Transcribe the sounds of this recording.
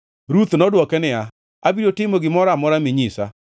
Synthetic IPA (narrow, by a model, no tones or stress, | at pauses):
ɾut̪nɔdwɔkɛnɪa | abiɾotɪmoɡɪmɔɾamɔɾamɪɲisa̰